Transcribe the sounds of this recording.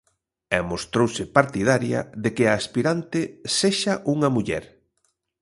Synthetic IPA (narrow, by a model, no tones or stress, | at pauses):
ɛmost̪ɾowsɪpaɾt̪ið̞aɾjɐ̰ðekɪaːspiɾant̪ɪseʃaʔuŋɐmuʎɛ̰ɾ